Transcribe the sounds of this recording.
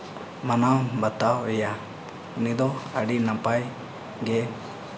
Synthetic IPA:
manawbət̪awɛja | nid̪ɔaɖinapaj | ɡɛ

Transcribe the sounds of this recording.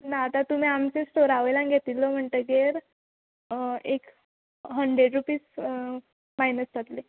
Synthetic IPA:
naːt̪at̪um̤iːamt͡sesʈoɾaʋəjlãŋɡʱet̪iːlːɔm̤əɳt̪əɡeɾ | ek | ɦəɳɖɾeɖɾupiːs | majnəsd͡z̪ʰʱat̪le

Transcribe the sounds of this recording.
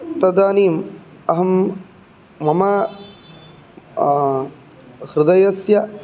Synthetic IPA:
t̪ɐd̪aːniːmɐɦɐmː | ɐmɐ | hɾɪd̪ɐjɐsjɐ

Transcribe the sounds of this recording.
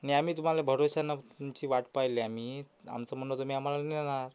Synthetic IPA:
aniamiːt̪um̤alebʱəɾosanːat̪umt͡ɕiːʋaʈpajleam̤i | a̰mt͡sam̤ənːot̪um̤iːam̤alaninaɾ

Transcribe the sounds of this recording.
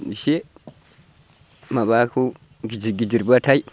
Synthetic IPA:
iʃe | mabaku | id͡ʒiɡid͡ʒiɾbatai

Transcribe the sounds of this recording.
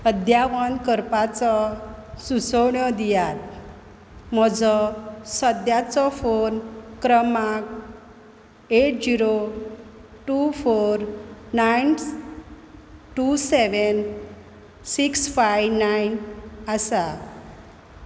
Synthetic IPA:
əd̪jaʋənkəɾpat͡sɔsusɔɳjɔd̪ijat̪̚ | m̤ɔd͡zɔsəd̪jat͡sɔfonkɾəmak | eʈ̚d͡ziɾo | ʈufoɾnajn | ʈuseʋən | siksfajʋnajnasa

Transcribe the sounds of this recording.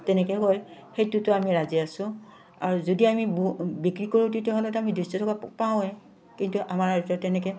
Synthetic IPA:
tɛnɛkɛɦojxejtʊtʊamiɹaziasʊ̃ | aɹuzodiamibbikɹikoɹĩtitɛɦɔnɔtamidistɔtʰɔkapaw̃ɛ | kintuʔamaɹaɹitɔtɛnɛkɛ

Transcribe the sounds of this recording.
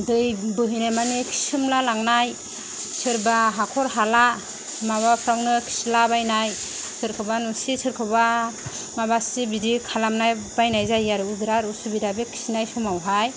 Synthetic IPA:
dɯjbɯɦɯjnajmanikʰi̥sɯmlalaŋnaj | sʰɯɾbaɦakʰɔɾɦala | maβapʰɾawnɯkʰi̥slabajnaj | sʰɯɾkʰɯbanusisʰɯɾkʰɯba | maβasibidikʰalamnaj | bajnajzajːaɾudɾaɾusubidabekʰi̥sinajsumawɦaj

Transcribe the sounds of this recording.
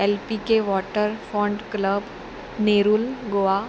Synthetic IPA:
ɛlpikeʋɔːʈəɾfɔ̃ːɳɖkləb | neːɾulɡoa

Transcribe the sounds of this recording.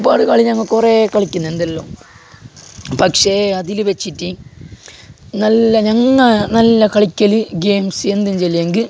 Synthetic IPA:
baːɽuɣaːɭiɲɐŋːɐɭkurekɐɭikʲːunːue̞nd̪ɐlːoː | pɐkʂeɐðilɨʋet͡ɕːitːi | nɐlːɐɲɐŋːɐnɐlːɐkɐɭikʲːɐlɨɡeːmse̞nd̪umt͡ɕelːijeŋɡi

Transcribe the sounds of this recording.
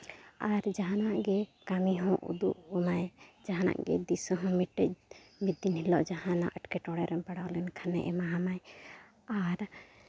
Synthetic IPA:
aɾd͡ʒaɦanaʔɡɛkamiɦɔ̃ʔṵd̪uʔɔmajd͡ʒaɦana̰ʔɡɛ̰d̪isɔɦɔ̃miʈːɛc̚mid̪inhilɔʔd͡ʒahãna̰ʔəʈkɛʈɔɽɛɾɛmpaɽawlɛnkʰanɛ̰ʔɛmaɦamaj | aɾ

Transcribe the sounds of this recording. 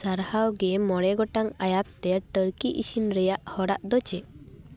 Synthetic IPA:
saɾhawɡɛmɔɽɛɡɔʈaŋajat̪ːɛʈəɾkiʔiʃinɾɛjaʔhɔɽaʔd̪ɔt͡ʃɛ

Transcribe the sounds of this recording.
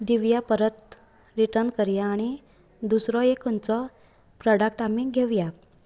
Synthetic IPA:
d̪iʋjapəɾət̪̚ | ɾiʈəɾnkəɾjaːɽ̃i | d̪usɾɔekʰənt͡sɔ | pɾɔɽək̚ʈamiɡʱeʋja

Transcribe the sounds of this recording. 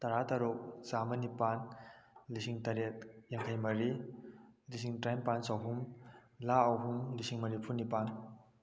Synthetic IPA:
taɾataɾok̚zamɐnipanlisiŋtɐɾet̚jaŋkʰajmɐɾi | lis̬iŋtɾajmpansawɦum | laawɦumlisiŋmɐɾipʰunipan

